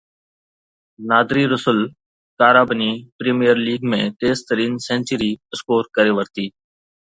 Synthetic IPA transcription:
naːd̪ʱɾiːɾʊsəl | kaːɾaːbəniːpɾeːmijəɾliːɡmẽːt̪eːzt̪əɾiːnsẽːnt͡ʃəɾiːəskoːɾkəɾeːʋəɾt̪iː

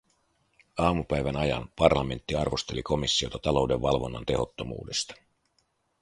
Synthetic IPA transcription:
ɑːmupæjʋænɑjɑ̰npɑrlɑme̞nt̪ːiɑrʋo̞st̪e̞liko̞misːio̞t̪ɑt̪ɑlo̞wde̞ʋːɑlʋo̞nːɑ̰nt̪e̞ho̞t̪ːo̞mṵːde̞st̪ɑ̥

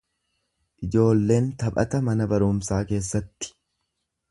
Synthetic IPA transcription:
ʔɪd͡ʒo̞ːlːe̞ːnt̪ɐpʼɐ̰t̪ɐmɐnɐbɐɾʊːmsaːke̞ːsːɐt̪ːɪ̥

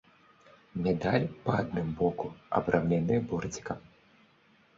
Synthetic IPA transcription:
mʲɛd̪alʲpɐad̪nɨmbɔkuɐ̰bɾʔawnʲanɨbɔrd͡zʲi̥kɐm

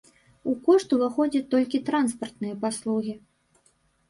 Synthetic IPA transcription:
ukɔʂt̪uvaxɔd͡zʲɐt̪ːɔlʲkʲit̪ɾanspɐrt̪nɨjɐpaslˠuɣʲi

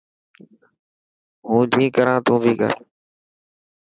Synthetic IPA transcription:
ɦũːd͡ʒĩːkəɾãːt̪ũːbʱiːkə̰ɾ

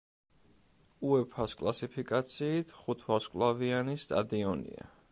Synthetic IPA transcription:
uɛpʰaskʼlˠasipʰikʼat̪sʰiːt̪ʰχut̪ʰwaskʼlˠavianist̪ʼa̰d̪iɔnḭa̰

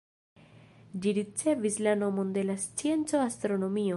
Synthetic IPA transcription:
d͡ʒiɾit͡se̞vislano̞mo̞nd̪e̞last͡sie̞nt͡so̞ast̪ɾo̞no̞mio

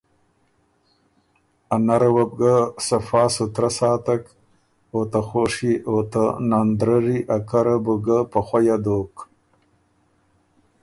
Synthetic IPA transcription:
anaɾawab̚ɡasafɑːsut̪ɾasɑːt̪ak | ot̪axoʂiot̪anand̪ɾəɾiʔakaɾabuɡapaxwajad̪oːk

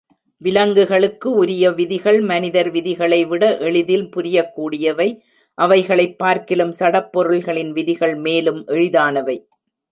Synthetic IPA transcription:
ʋɪlɐŋɡɯɣɐɭɯkːɯʊɾɪjɐʋɪðɪɣɐɭmɐnɪðɐɾʋɪðɪɣɐɭɐɪʋɪɽɐʔɛɭɪðɪlpʊɾɪjɐkːuːɽɪjɐʋɐɪ | ʔɐʋɐɪɣɐɭɐɪpːaːɾkɪlɯmsɐɽɐpːɔɾɯlɣɐɭɪnʋɪðɪɣɐɭmeːlɯmʔɛɻɪðaːnɐʋɐɪ

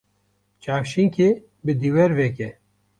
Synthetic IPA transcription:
t͡ʃaːfʃiŋkʰe | bɨd̪iwɛɾvɛkɛ

